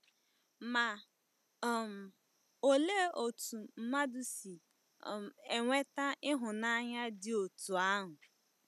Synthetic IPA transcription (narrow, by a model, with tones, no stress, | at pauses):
ma˨ | m̩˨ | o˨le˦o˨tu˨m̩˦ma˦dʊ˦si˨ | m˨e˨ŋʷe˦ta˦ʔɪ˦ɦʊ˨na˦ɲa˦dɪ˦o˨tu˨a˦ɦʊ˨